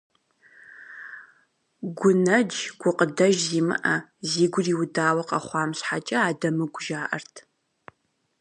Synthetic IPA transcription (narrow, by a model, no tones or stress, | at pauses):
ɡʷʊnɐd͡ʒɡ̥ʷʊqʼədɐʒziːmɨ̰ʔɐziːɡʷʊriːwʊdaːwɐqʼɐχʷɑːmɕħat͡ʃʼɐaːdɐmɨɡʷʊʒaːʔɐrtʰ